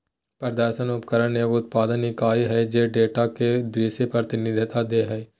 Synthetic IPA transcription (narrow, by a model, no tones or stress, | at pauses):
pəɾd̪əɾʃənʊpkəɾənneʋʊt̪̚paːd̪ənikaːiɦɛd͡ʒeːɖeːʈaked̪ɾiːʃepɾɾət̪ɪnɪd̪ʱɪt̪ad̪eɦɛː